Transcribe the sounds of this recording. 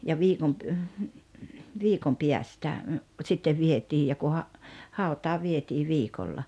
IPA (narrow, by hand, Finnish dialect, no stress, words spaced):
jɑ ʋiːkom pə ʋiːkom piæstæ sitːeʋ ʋietiːj jɑ ku hɑ hɑˑutˑɑː ʋietiː ʋiːkolːɑ